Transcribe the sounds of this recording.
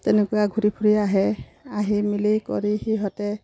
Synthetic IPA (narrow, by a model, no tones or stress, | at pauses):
tɛnɛkʊwaɡʱuɾipʰuɹiaɦɛ | aɦimilikɔ̰ɹihiɦɔtɛ